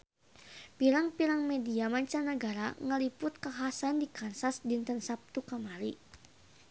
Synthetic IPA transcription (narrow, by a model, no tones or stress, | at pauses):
piɾaŋpiɾaŋmɛdiamaɲt͡ʃanəɡaɾaŋəlipʊt̪̚kaɦasandikansasdint̪ənsap̚t̪ukamaɾi